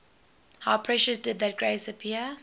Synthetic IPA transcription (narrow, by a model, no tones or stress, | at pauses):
haʊpʰɹɛʃəsdɪd̪̚ðət̚ɡ̥ɹeɪsəpʰiə